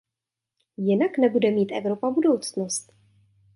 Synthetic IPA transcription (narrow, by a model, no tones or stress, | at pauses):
jɪnaknɛbudɛmiːt̪ʔɛvɾo̞pabudo̞wt͡snost̪̚